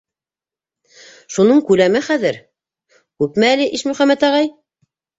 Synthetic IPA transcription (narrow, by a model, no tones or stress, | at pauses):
ʃunɤɴkʉlæmɘχæðɘɾ | kʉpmæːlɘʔiʃmɵ̆χæmːæt̪ɑʁɑj